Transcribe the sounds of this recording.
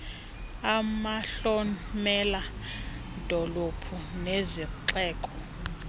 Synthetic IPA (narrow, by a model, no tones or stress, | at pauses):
amaɬɔmɛla | d̥ʱɔlopʰuneziǁɛːkʼɔ